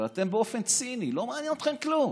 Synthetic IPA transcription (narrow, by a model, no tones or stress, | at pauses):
eat̪embeofe̞nt͡sinilo̞maːnjenot̪χe̞mklum